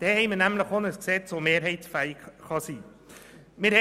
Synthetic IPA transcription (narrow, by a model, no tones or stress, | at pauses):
d̪̥ɛːhɛɪmənæmləχonəsksɛt͡sʋomeːɾɦɛɪtsfæɪɪɡ̥χɑsiː | mɪːɾhɛ